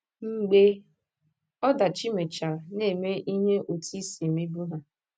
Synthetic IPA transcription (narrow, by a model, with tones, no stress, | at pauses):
ŋ͡m̩˨ɡ͡be˦ | ɔ˦da˨t͡ʃi˦me˨t͡ʃa˨ne˦˨me˦ʔi˦ɦe˦ʔo˨ti˦si˨mi˦bu˦ɦa˨